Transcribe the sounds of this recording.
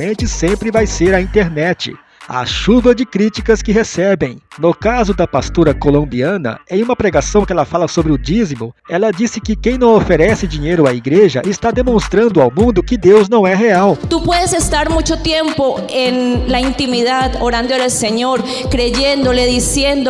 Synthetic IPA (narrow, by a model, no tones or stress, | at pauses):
ẽnt͡ʃɪsẽmpɾɪvajseɾɐĩnt̪eɾnɛt͡ʃɪ̰ | ɐ̰ʃuvɐd͡ʒɪkɾit͡ʃikɐskɪɦesɛbẽj̃nʊkazʊd̪ɐpast̪oɾɐkolõmbiɐ̃nɐ̰ẽjũmɐpɾeɡasɐ̃w̃kɪɛlɐfalɐsobɾɪʊd͡ʒizimʊɛlɐd͡ʒisɪkɪkẽj̃nɐ̃w̃ofeɾɛsɪd͡ʒĩɲejɾʊaiɡɾeʒɐʔɪst̪ad̪emõst̪ɾɐ̃nd̪ʊawmũnd̪ʊkɪd̪ewznɐ̃w̃ɛɦeawt̪upweðesest̪aɾmut͡ʃot̪jẽmpoenlaint̪imiðaðoɾãnd̪oaelseɲoɾ | kɾeʝẽnd̪oleðisjẽnd̪o